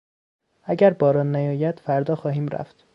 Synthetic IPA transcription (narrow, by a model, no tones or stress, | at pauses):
æɟæɾbɒːɾɒːnːæjɒːjæd̪̥fæɾd̪ɒːxɒːhiːmɾæ̰ft̪